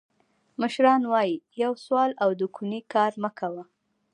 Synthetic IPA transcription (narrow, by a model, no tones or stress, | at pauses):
məʃɾɑnwɑjijawswɑlawd̪əkʰunikɑɾməkawa